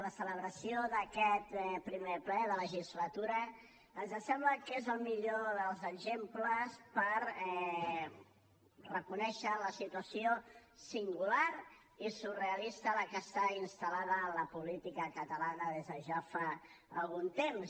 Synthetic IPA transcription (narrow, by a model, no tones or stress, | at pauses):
ləsələβɾəsioðəkɛt̪pɾimeplɛðələʒizlət̪uɾə | ənzðəsɛmləkezəlˠmiʎoðəlˠzəɡzempləspəɾɛ | rəkunɛʃələsit̪uəsiosiŋɡulaɾ | isureəlist̪ələkəst̪ainst̪əlaðəːləpulit̪ikəkət̪əlanəðezðəʒafa | ə̰lˠɣunt̪ems